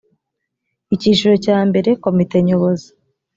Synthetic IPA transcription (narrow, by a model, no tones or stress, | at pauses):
iciːʃuɾo̞caːmbe̞ɾe̞ko̞mite̞ɲo̞βo̞zi̥